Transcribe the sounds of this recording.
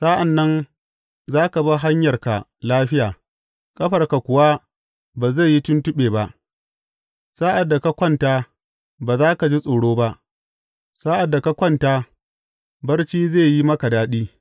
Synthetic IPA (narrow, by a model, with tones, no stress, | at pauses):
saː˦ʔa˨nːɐ˦n | zaː˦ka˨ba˦ɦa˦ɲjɐ˨rka̰˨laː˦ɸɪ˦jaː˨ | kʼɐ˦ɸɐ˨rka˨kʷʊ˨wa˦ | baː˨ze˦˨ji˦tʊ˦ntʊ˦ɓeː˨ba˦ʔ | saː˦ʔa˨dːa˨ka˦kʷɔ˦nta˦ | baː˨zaː˦ka˨d͡ʒi˦sʼoː˨ɽoː˦ba˦ʔ | saː˦ʔa˨dːa˨ka˦kʷɔ˦ntaː˦ | bɐ˦rt͡ʃiː˦zeː˦˨ji˦mɐ˦ka˨daː˦ɗiː˦